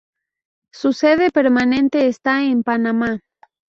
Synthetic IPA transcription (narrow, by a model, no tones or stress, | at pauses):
suseðepeɾmane̞nt̪eːst̪aempanama